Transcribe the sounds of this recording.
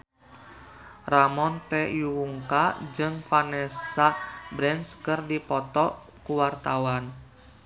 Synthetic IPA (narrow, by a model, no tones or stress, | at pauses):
ramɔnt̪ɛjuwuŋkad͡ʒɨŋfanɛsabɾɛnskɨrdipɔt̪ɔ | kuwart̪awan